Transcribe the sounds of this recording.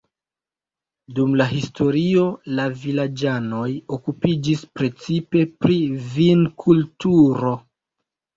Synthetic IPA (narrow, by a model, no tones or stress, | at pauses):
dumlaɦisto̞ɾio̞lavilad͡ʒano̞jo̞kupid͡ʒispɾe̞t͡sipe̞pɾivinkʰultuɾo̞